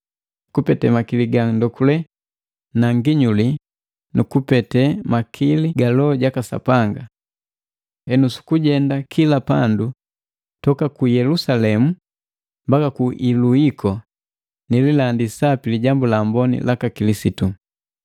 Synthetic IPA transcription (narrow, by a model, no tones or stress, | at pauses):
kupɛtɛmakiliɡandɔkulɛ | naŋɡiɲuli | nukupɛtɛmakʰiliɡalɔɟakasa̰paŋɡa | hɛnusu̥kuɟɛndakʰilapa̰ndu | tɔkakujɛlusalɛmu | mbakakuʔiluikʰɔ | nililandisapiliɟambulambɔnḭlʔakakilisitu